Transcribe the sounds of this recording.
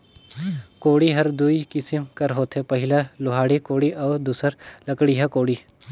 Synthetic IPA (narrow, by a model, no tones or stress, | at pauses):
koːɽiɦɐɾd̪uikɪsɪmkɐɾɦoːt̪ʰɦepɐɦɪlalʊɦaːɽikoːɽiʔɔːɾd̪uːsəɾlɐkɽiɦɛkoːɽiː